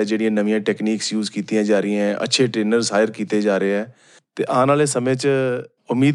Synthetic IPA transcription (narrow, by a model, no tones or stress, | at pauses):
d͡ʒeːɽɪjãːnəʋɪjãːʈɛːkniːksjuːzkiːt̪ijãːd͡ʒaːɾəɪãɛ̃ːʔə̰tːʃʰeːʈɾeːnəɾzɦaːɪəɾkiːt̪eːd͡ʒaːɾeɛː | t̪ḛːʔãːnaːleːsəmẽːt͡ʃ | ʊmiːd̪